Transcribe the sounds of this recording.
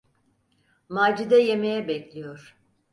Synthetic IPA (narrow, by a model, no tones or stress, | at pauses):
maːd͡ʒid̪ɛje̞me̞jɛbɛclʲijo̞ɾ̥